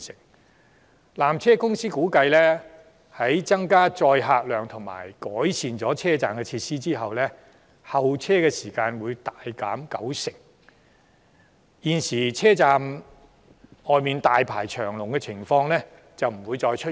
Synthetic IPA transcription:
sɪ˨˩ŋ̚ | laː˨˩mt͡sʰɛː˥kʊ˥ŋsiː˥kuː˨˥kɐ˧jlɛː˥ | hɐ˨˥jt͡sɐ˥ŋkaː˥t͡sɔː˧jɦaː˧k̚lœː˨ŋt̪ʰʊ˨˩ŋma̰ː˨˩jkɔː˨˥jsʰiː˨nt͡sɔː˨˥t͡sʰɛː˥t͡saː˨mkɛ˧t͡sʰiː˧t̚siː˥t͡siː˥ɦɐ˨wlɛ˥ | hɐ˨wt͡sʰɛː˥kɛ˧siː˨˩kaː˧nwuː˨˧jt̪aː˨jkaː˨˥mkɐ˨˥wsɪ˨˩ŋ̚ | jiː˨nsiː˨˩t͡sʰɛː˥t͡saː˨˧m | hɔː˨jmiː˨nt̪aː˨jpʰaː˨˩jt͡ʃʰœː˨˩ŋlʊ˨ŋkɛ˧t͡sʰɪ˨˩ŋfɔː˧ŋlɛː˥ | t͡sɐ˨wm̩˨˩wuː˨˧jt͡sɔː˧jt͡ʃʰɵ˥

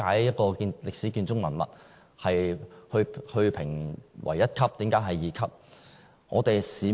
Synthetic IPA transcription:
aː˨˥jjɐ˥t̚kɔː˧ki˧nlɪ˨k̚siː˨˥kiː˧nt͡sʊ˥ŋmɐ˨˩nmɐ̰˨t̚ | hɐ˨jhɵ˧hɵ˧ɥpʰɪ˨˩ŋwʔɐ̰˨˩jɐ˥t̚kʰɐ˥p̚t̪iː˨˥mkaː˨˥jɦɐ˨jjiː˨˧kʰɐ˥p̚ | ŋɔ̰ː˨˧t̪e˨jsiː˨˥

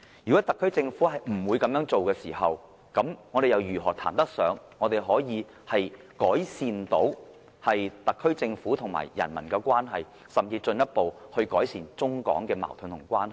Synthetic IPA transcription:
jyː˨˩kɔ˨˥t̪ɐ˨kʰːt͡sɪ˧ŋfuː˨˥hɐ˨jm̩˨˩wuː˨˧jkɐ˨˥mjœː˨˥ŋt͡so˨wkɛː˧siː˨˩hɐ˨w | kɐ˨˥mŋɔː˨˧ɾe˨jɐ˨˧wjyː˨˩ɦɔ̰ː˨˩t̪ʰa̰ː˨˩nt̪ɐ˥k̚sœː˨˥ŋŋɔː˨˧t̪e˨jɦɔː˨˥jiː˨˧ | hɐ˨j | kɔː˨˥jsiː˨nt̪o˨˥w | hɐ˨jt̪ɐ˨kʰːɵ˥ɥt͡sɪ˧ŋfuː˨˥t̪ʰʊ˨˩ŋma̰ː˨˩jjɐ̰˨˩nmɐ̰˨˩nkɛː˧kʷwaː˥nɦɐ˨j | sɐ˨mt͡siː˧t͡ʃɵ˧njɐ˥t̚po˨whɵ˧ɥkɔ̰ː˨˥jsiː˨nt͡sʊ˥ŋkɔ̰ː˨˥ŋkɛː˧ma̰ː˨˩wt̪ʰɵ˨˧nt̪ʰʊ˨˩ŋkʷwaː˥nhɐ˨j

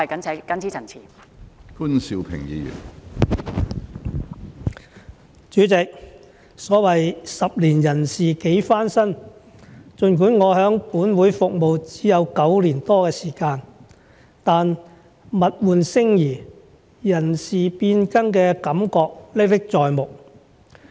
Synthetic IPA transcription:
kɐ˨˥n˨˥kɐ˨˥nt͡sʰiː˨˥t͡sʰɐ˨˩nt͡sʰiː˨˩ | fuː˥nsi˧wpʰɪ̰˨˩ŋjḭː˧jy̰˨˩n | t͡ʃyː˨˥t͡sɪ˨k̚ | sɔː˨˥wɐ˨jsɐ˨p̚liː˨˩njɐ˨˩nsiː˨ke˨˥jfaː˥nsɐ˥n | t͡ʃɵ˨˧nkuː˨˥nŋɔː˨˧hœː˨˥ŋpuː˨˥nwuː˨˥jfʊ˨k̚mo˨wt͡siː˨˥jɐ˨˧wkɐ˨˥wliː˨˩nt̪ɔː˥kɛː˧siː˨˩kaː˧n | t̪aː˨n | mɐ˨t̚wuː˨nsɪ˥ŋjiː˨˩ | jɐ˨˩nsiː˨˩piː˧nkɐ˥ŋkɛː˧kɐ˨˥mkɔː˧k̚le˥t̪ɪ˥k̚t͡sɔː˨jmʊ˨k̚

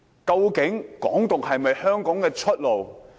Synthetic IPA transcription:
kɐ˧wkɪ˨˥ŋkɔ̰ː˨˥ŋt̪ʊ˨ŋhɐ˨jmɐ˨jhœː˥ŋkɔː˨˥ŋkɛː˧t͡ʃʰɵ˥t̚lo˨˩w

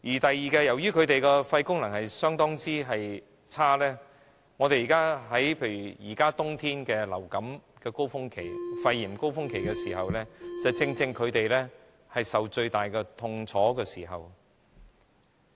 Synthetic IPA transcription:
jiː˨˩t̪ɐ˨jːiː˨kɛː˧jɐ˨˩wjyː˥kʰɵ˨˧ɥt̪e˨jkɛː˧fɐ˧jkʊ˥ŋlɐ˨˩ŋhɐ˨jsœː˥ŋt̪ɔː˥ŋt͡siː˥ɦɐ˨j | t͡sʰaː˥lɛː˥ | ŋɔ˨˧t̪e˨jiː˨˩kaː˥ɦɐ˨˥jpʰeː˧jɥyː˨˩jiː˨˩kaː˥t̪ʊ˥ŋt̪ʰiː˥nkɛː˧lɐ˨˩wkɐ˨˥mkɛː˧ko˥wfʊ˥ŋkʰe˨˩jfɐ˧jːiː˨˩mko˥wfʊ˥ŋkʰe˨˩jkɛː˧siː˨˩hɐ˨wlɛː˥t͡sɐ˨wt͡sɪ˧ŋt͡sɪ˧ŋkʰɵ˨˧ɥt̪e˨jlɛː˥ | hɐ˨jsɐ˨wt͡ʃɵ˧ɥt̪aː˨jkɛː˧t̪ʰʊ˧ŋt͡sʰɔː˨˥kɛː˧siː˨˩ɦɐ̰˨w

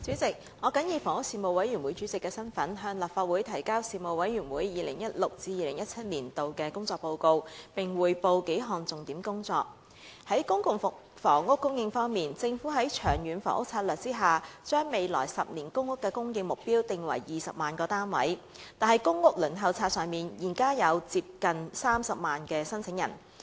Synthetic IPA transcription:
t͡syː˨˥t͡sɪ˨k̚ | ɔː˨˧kɐ˨˥njiː˨˧˩fɔː˨˩ŋʊ˥k̚siː˧˩mo˨˧wɐ˨˥jɥy˨˩nwu˨˥jt͡ʃyː˨˥t͡sɪ˨kːɛː˧sɐ˥nfɐ˨˥nɦœː˧ŋlaː˨˩p̚faː˧t̚wu˨˥jt̪ʰɐ˨˩jkaː˥wsiː˧mo˨˧wɐ˨˥jɥyː˨˩nwuː˨˥jːiː˨lɪ̰˨˩ŋjɐ˥t̚lʊ˨k̚t͡siː˧jiː˨lɪ˨˩ŋjɐ˥t̚t͡sʰɐ˥t̚liː˨˩nt̪o˨wkɛː˧kʊ˥ŋt͡sɔː˧k̚po˧wko˧wpɪ˨ŋwuː˨jpo˧wke˨˥jɦɔː˨ŋt͡sʊ˨ŋt̪iː˨˥mkʊ˥ŋt͡sɔː˧k̚ | hɐ˨˥jkʊ˥ŋkʊ˨˧ŋfk | fɔː˨˩ŋŋʊ˥kːʊ˥ŋjɪ˧ŋfɔː˥ŋmiː˨nt͡sɪ˧ŋfuː˨˥ɦɐ˨˥jt͡ʃʰœː˨˩ŋjyː˨˥nfɔ̰ː˨˩ŋʊ˥k̚t͡sʰaː˧t̚lœː˨k̚t͡siː˥ɦaː˨˩t͡ʃœː˥ŋme˨jlɔ̰ː˨˩jsɐ˨p̚niː˨˩nkʊ˥ŋːʊ˥kːɛː˧kʊ˥ŋjɪ˧ŋmʊ˨k̚piː˥wt̪ɪ˨ŋwɐ̰˨˩jjiː˨sɐ˨p̚maː˨˩nkɔː˧t̪aː˥nwɐ̰˨˥j̪ | aː˨nɦɐ˨˩jkʊ˥ŋːʊ˥k̚lɵ˨˩nɦɐ˨˧wt͡sʰaː˧t̚sœː˨˧ŋmiː˨njiː˨˩nkaː˥jɐ˨˧wt͡siː˧p̚kɐ˨nsaː˥msɐ˨p̚maː˨nkɛː˧sɐ˥nt͡sʰɪ˨˥ŋjɐ̰˨˩n

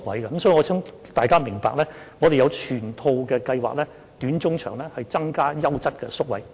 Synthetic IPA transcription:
k̚wɐ˨˥jɡɐː˧˥˦msɔː˨˥i˨˩ɔː˨˧t͡sʰɪ˥ŋ | t̪aː˨jkaː˥mɪ˨˩ŋpaː˨k̚lɛː˥ | ŋɔː˨˧ɾe˨jɐ˨˧wt͡ʃʰyː˨˩nt̪ʰo˧wkɛ˧kɐ˧jwa̰ː˨k̚lɛː˥ | t̪yː˨˥nt͡sʊ˥ŋt͡ʃʰœ̰ː˨˩ŋlɛː˥hɐ˨jt͡sɐ˥ŋkaː˥jɐ˥wt͡sɐ˥t̚kɛ̰˧sʊ˥k̚wɐ̰˨˥j

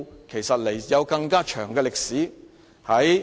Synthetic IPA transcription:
kʰe˨˩jsɐ˨t̚le˨˩jjɐ˨˧wkɐ˧ŋkaː˥t͡ʃʰœː˨˩ŋkɛː˧lɪ˨k̚siː˨˥ | hɐ˨˥j

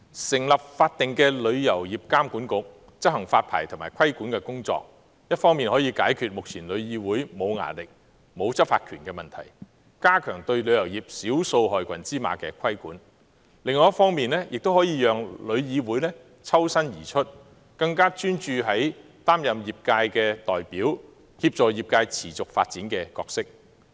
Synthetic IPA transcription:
sɪ˨˩ŋlɐ˨p̚faː˧t̚t̪ɪ˨ŋkɛː˧lɵ˨˧ɥjɐ˨˩wjiː˨p̚kaː˥mkuː˨˥nkʊ˨˧˥k̚ | t͡sɐ˥t̚hɐ˨˩ŋfaː˧t̚pʰa̰ː˨˩jt̪ʰʊ˨˩maː˨˩kʰɐ˥jkuː˨˥nkɛː˧kʊ˥ŋt͡sɔ̰ː˧k̚ | jɐ˥t̚fɔː˥ŋmiː˨nhɔː˨˥jiː˨˧kaː˨˥jkʰyː˧t̚mʊ˨k̚t͡sʰiː˨˩nlɵ˨˧ɥjiː˨˧wuː˨˥jmo˨˧wŋa̰ː˨˩nlɪ˨k̚ | mo˨˧wt͡sɐ˥p̚fa̰ː˧t̚kʰyː˨˩nkɛː˧mɐ˨nt̪ʰɐ̰˨˩j | kaː˥kʰœː˨˩ŋt̪ɵ˧ɥlɵ˨˧ɥjɐ˨˩wjiː˨˩p̚siː˨˥wso˧wɦɔː˨jkʰʷɐ˨˩nt͡siː˥ma̰ː˨˧kɛ̰ː˧kʷʰɐ˥jkuː˨˥n | lɪ˨ŋːɔː˨jɐ˥tfɔː˥ŋmiː˨nlɛː˥jɪ˨k̚t̪o˥whɔː˨˥jiː˨˧jœː˨ŋlɵ˨˧ɥjiː˨˧wuː˨˥jlɛː˥ | t͡sʰɐ˥wsɐ˥njiː˨˩t͡ʃʰɵ˥t̚ | kɐ˧ŋkaː˥t͡ʃyː˥nt͡ʃyː˧ɦɐ˨˥j | t̪aː˥mjɐ˨mjiː˨p̚kaː˧jkɛː˧t̪ɔː˨jpiː˨˥w | hiː˧p̚t͡sɔː˨jiː˨p̚kaː˧jt͡sʰiː˨˩t͡sʊ˨k̚faː˧t̚t͡siː˨˥nkɛ˧kɔ̰ː˧k̚sɪ˥k̚

